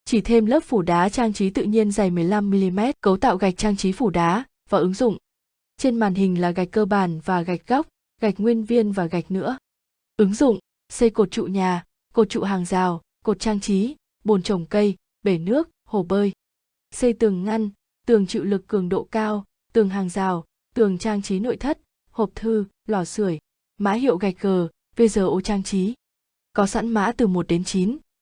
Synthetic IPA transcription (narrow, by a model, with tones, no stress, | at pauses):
t͡ɕi˧˩t̪ʰe˧mləː˦˥p̚fu˧˩ɗaː˨˦t͡ɕaː˧ŋt͡ɕi˨˦t̪ɨ̰˧˨ɲi˧ənza˨˩jmɨ˨˩əjla˧mːi˧li˧mɛ˦˥t̚kə˨˦wt̪a̰ː˧˨wɣa˨˩jk̟̚t͡ɕaː˧ŋt͡ɕi˨˦fu˧˩ɗaː˨˦ | vaː˨˩ʔɨ˨˦ŋzʊ̰˧˨ŋ͡m | t͡ɕe˧nmaː˨˩nhï˨˩ŋ̟laː˨˩ɣa˨˩jk̟̚kːəː˧ɓaː˧˩nvaː˨˩ɣa˨˩jk̟̚ɣɔ˦˥wk͡p̚ | ɣa˨˩jk̚ŋwi˧ənvi˧ənvaː˨˩ɣa˨˩jk̟̚nɨ̰˧˥ə | ʔɨ˨˦ŋzʊ̰˧˨ŋ͡m | sə˧jko˨˩t̚t͡ɕṵ˧˨ɲaː˨˩ | ko˨˩t̚t͡ɕṵ˧˨ɦaː˨˩ŋzaː˨˩w | ko˨˩t̚t͡ɕaː˧ŋt͡ɕi˨˦ | ɓo˨˩nt͡ɕə˨˩wŋ͡mkə˧j | ɓe˧˩nɨ˦˥ək̚ho˨˩ɓəː˧j | sə˧jt̪ɨ˨˩əŋːa˧n | t̪ɨ˨˩əŋt͡ɕḭ˧˨wlɨ˨˩kːɨ˨˩əŋɗo̰˧˨kaː˧w | t̪ɨ˨˩əŋɦaː˨˩ŋzaː˨˩w | t̪ɨ˨˩əŋt͡ɕaː˧ŋt͡ɕi˨˦no̰˧˨jt̪ʰə˦˥t̚ | ho˨˩p̚t̪ʰɨ˧ | lɔ˨˩sɨ˧˩əj | ma̰ː˧˥ɦḭ˧˨əwɣa˨˩jk̚ɣəː˨˩ | ve˧zəː˨˩ʔo˧˩t͡ɕaː˧ŋt͡ɕi˨˦ | kɔ˨˦sa̰˧˥nma̰ː˧˥t̪ɨ˨˩mo˨˩t̚ɗe˨˦nt͡ɕi˨˦n